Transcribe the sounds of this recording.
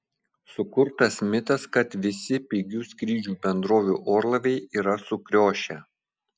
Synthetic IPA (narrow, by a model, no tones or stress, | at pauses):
sʊkʊɾt̪ɐsmʲɪt̪ɐskɐt̪ʋʲɪsʲɪpʲiːɡʲuːskɾʲiːd͡ʒʲuːbʲɛnd̪ɾoːʋʲuːʔoːɾlˠɐʋʲɛɪiːɾɐsʊkɾʲoːʃʲɛ